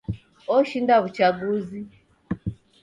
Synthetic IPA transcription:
ɔʃindaβut͡ʃaɡuzi

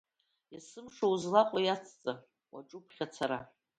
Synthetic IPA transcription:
asɨmʂouzlaqʷʼajat͡sʰt͡sʼa | wa̰ʈ͡ʂʼupʰχʲat͡sʰaɾa

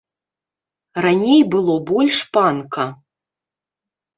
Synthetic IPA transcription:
ranʲejbɨlˠɔbɔlʲʂpankɐ

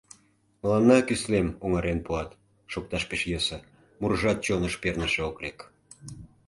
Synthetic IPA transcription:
məlɑnːɑkyslemoŋɑɾenpuɑt̪ | ʃok̚t̪ɑʃpeʃjɤsə̆ | murʒɑt̪̚t͡ɕonəʃpernəʃĕoklek

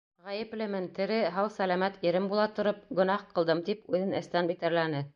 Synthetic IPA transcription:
ʁæjɘ̆plɘmɘnt̪ɘ̆ɾɘɦɑwsælæmæt̪iɾɘmbulˠɑt̪ŏɾɤp̚ɡɵ̆nɑhqɤ̆lˠd̪ɤmt̪ipʉðɘnɘ̆st̪ænbit̪æɾlænɘ

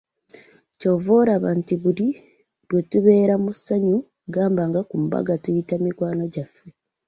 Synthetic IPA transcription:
co̞voːɾaβaːntiβuli | ɾwetuβe̞ːɾamusaɲu | ɡaːmbaŋɡakum̩ba̰ɡatujitamiɡwaːno̞ɟafe

